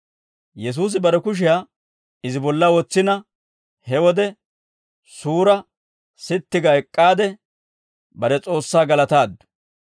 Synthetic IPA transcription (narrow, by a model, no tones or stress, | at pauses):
jɛs̬uːs̬ɪbɐɾɛkʊʃ̬ɪjaː | ɪzɪbɔlːɐwɔt͡sːɪnɐ | hɛwɔd̪ɛ | suːɾɐ | sɪt̪ːɪɡɐɛkʼːaːd̪ɛ | bɐɾɛt͡sʼo̞ːsːaːɡɐlɐt̪aːd̪ːʊ̥